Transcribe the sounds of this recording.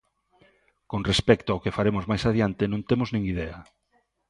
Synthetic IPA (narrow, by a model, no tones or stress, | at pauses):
konrespɛk̚t̪oaokefaɾemʊzmajsaðjant̪enõnt̪emoznĩŋiðɛa